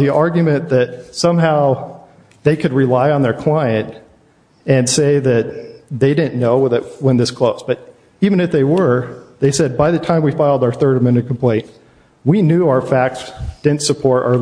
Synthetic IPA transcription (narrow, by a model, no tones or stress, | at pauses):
ðiʔɑɹɡjmɨ̃nðɨt̪̚sʌ̃mɦaʊ | ðeɪkʰɨd̚ɹilaɪə̃nðə˞kʰl̥aɪɨ̃nt | ɨ̃nseɪðɨt̪̚ðeɪɾɪdⁿn̩noʊwəɨwɨ̃nðɪskʰl̥oʊzb̥ʌɾ | ivɨ̃ñɨfðeɪwə˞ðeɪsɛd̚baɪðɨtʰãɪ̃mwifaɪlˠdə˞θɜ˞ɾɨmɪ̃ñɨ̃kʰm̩pʰl̥ẽɪ̃nt | winjʉaʊə˞fæk̚tsd̥ɪdⁿn̩tsəpʰɔɹɾa̰